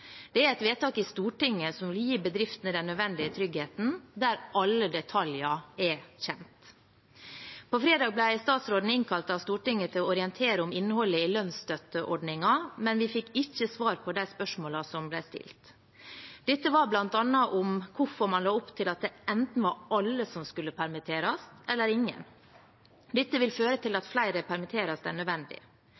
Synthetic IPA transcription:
d̪̥ɛæɾɛt̪ʋeːt̪ɑːkɪst̪uːʈɪŋːəsɔmʋɪljiːbəd̪ɾɪft̪nəd̪ɛnːœd̪ʋɛnd̪ɪət̪ʰɾʏɡheːt̪n̩d̪æɾʔɑlːəd̪ɛt̪ʰɑljɑɛçɛnt̪ | pʰɔfɾeːd̪ɑːɡ̚blæɪst̪ɑːt̪sɾoːd̪n̩ɪŋkʰɑlt̪ɑʋst̪uːʈɪŋːət̪ʰɪlɔɔɾɪɛnt̪ʰeːɾəʊmɪnːəhɔlːəɪlœnst̪œt̪ːəʔɔɖɳɪŋɑmɛnʋɪfɪkːɪçːəsʋɑːɾpʰɔd̪æɪspœʂmoːlɑsɔmblæɪst̪ɪ̰lt̪ | d̪ɪt̪ːəʋɑɾblɑnt̪ɑnːɑʔʊmkʰʊfɔɾmɑnlɑːʊpt̪ʰɪlɑt̪̚d̪ɛɛnt̪n̩ʋɑɾɑlːəsɔmskʉlːəpʰæɾmɪt̪ʰeːɾɑst̪ɛlːəɾɪŋːə̰n | d̪ɪt̪ːəʋɪlføːɾət̪ʰɪlɑt̪flæɪɾəpʰæɾmɪt̪ʰeːɾɑsd̪æ̰ːɳœd̪ʋɛnd̪ɪ̰

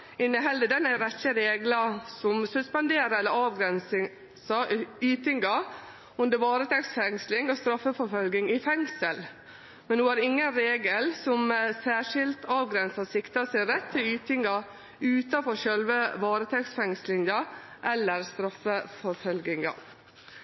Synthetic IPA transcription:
ɪnːəɦɛld̪əd̪ɛnæɾɛçəɾeːɡlɑsɔmsʉspɑnd̪eːɾəɛlːəɾɑːʋɡɾɛnsɪ | sɑyːt̪ɪŋɡɑ | ɔnd̪əʋɑːɾət̪ʰɛksfɛŋslɪŋɔst̪ɾɑfːəfɔɾfœlɡɪŋɪfɛŋsəl | mɛnhuːæɾɪŋːənɾeːɡəlsɔmsæːʂɪlt̪ɑːʋɡɾɛnsɑsɪkt̪ɑsæɪɾɛt̪ʰːɪlyːt̪ɪŋɡɑ | ʉːt̪ɑfɔɾʂœlʋəʋɑːɾət̪ʰɛksfɛŋslɪŋɑʔɛlːəɾst̪ɾɑfːəfɔɾfœlɡɪŋɑ̰

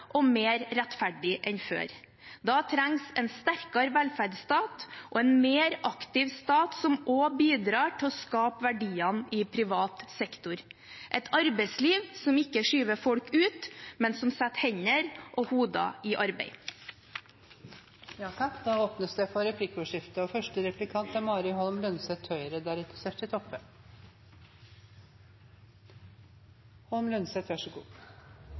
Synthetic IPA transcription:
ʔɔmeːɾɾɛt̪fæɖɪʔɛnfø̰ːɾ | d̪ɑːt̪ʰɾæŋsɛnst̪æɾkɑɾəʋɛlfæɖst̪ɑːt̪ʔɔɛnmeːɾʔɑkt̪ɪʋst̪ɑːt̪sɔmoːbiːd̪ɾɑːʈʰɪɔskɑːpʋæɖiːɑnɪpʰɾɪʋɑːt̪sɛkt̪ʊɾʔɛt̪ʰɑɾbɛɪsliːʋsɔmɪkːəʂyːʋəfɔlkʉːt̪mɛnsɔmsæt̪hɛɲəɾʔɔhuːd̪ɑ̰ɪʔɑɾbḛɪ | jɑːt̪ʰɑk̪d̪ɑːoːpnəsd̪ɛfʰɔɾɛpʰlɪkːɔːʂɪft̪əɔfœʂʈəɾɛplɪkʰɑnt̪ɑmɑːɾɪhɔlmlʉnsɛt̪ʰːœʏɾəd̪æːɾʉt̪ːə̥sɛt̪ʰɪt̪ʰɔpːə | hɔlmlʉnsɛt̪ʰʋæʂɔɡṵː

